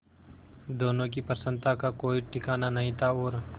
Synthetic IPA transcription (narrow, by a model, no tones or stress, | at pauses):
d̪oːnõk̬ipəsə̃nt̪akakoːiʈɪkaːnanɐɦĩt̪ʰaoːɾ